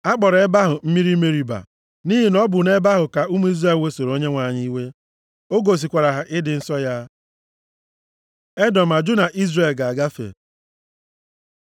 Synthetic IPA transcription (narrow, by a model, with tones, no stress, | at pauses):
a˦k͡pɔ˨ɾe˦ba˦ɦʊ˨m̩˦mi˦ɾi˦me˦ɾi˨ba̰˨ | ni˦ɦi˨nɔ˦bʊ˨ne˦ba˦ɦʊ˨ka˨u˦mu˦i˦zɾe˦˨we˦so˨ɾo˦ɲe˦ŋʷa˨ɲɪ˦i˦we˦ | o˦ɡo˨s̬i˨kʷa˨ɾa˨ɦa˨ʔɪ˦dɪ˨n̩˦sɔ˦ja˦ | e˦dɔ˨m̩a˨d͡ʒʊ˦na˨ʔi˦zɾe˨lɡa˨a˨ɡa˦fḛ˨